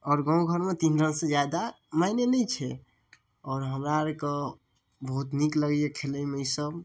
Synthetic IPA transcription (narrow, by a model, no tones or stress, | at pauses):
ɔːɾɡɔ̃ũɡʱəɾmet̪inɾənsẽd͡ʒjad̪a | maɪnelɛt͡ʃʰɛ | ɔːɾɦəmɾaɾkə | bəɦut̪nikləɡjekʰeləjmeɪsəb